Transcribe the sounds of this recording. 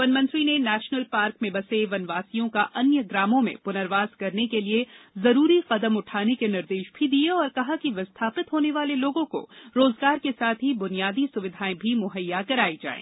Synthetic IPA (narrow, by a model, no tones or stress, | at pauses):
ʋɐnmɐ̃nt̪ɾinenɛːʃnəlpaːɾkmẽbɐseʋɐnʋaːsijõkaʔɐnjəɡɾaːmõmḛ̃pʊnəɾʋaːzkɐɾnekeliezɐɾuːɾiqɐd̪əmʊʈʰaːnekenɪɾd̪eːʃbʱid̪ieɔːɾkɐɦakiʋɐst̪ʰaːpɪt̪ɦoːneʋaːleloːɡõko̰ɾoːzɡaːɾkesaːt̪ʰɦibʊnijaːd̪isʊʋɪd̪ʱaːẽbʱimʊɦəjːakɐɾaːid͡ʒa̰ːḛ̃ː